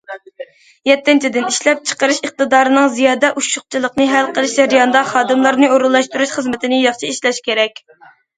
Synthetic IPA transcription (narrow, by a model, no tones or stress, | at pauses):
jɛt̪ʰːɪnt͡ʃʰid̪ɪniʃlɛp̚t͡ʃʰə̥qəɾɨʃəχ̚t̪ɨd̪ɑːɾɨnɨŋzijɑːd̪ɛʔuʃʊq̚t͡ʃʰilˠəqnɨɦɛlqʰəlˠɨʃd͡ʒɛɾjɑnd̪ɑχɑːd̪ɨmlˠɑɾnɨoɾulˠːɑʃt̪uɾuʃχəzmɪt̪ʰɪnɪjɑχʃiiʃlɛʃkʲʰeɾɛkʲ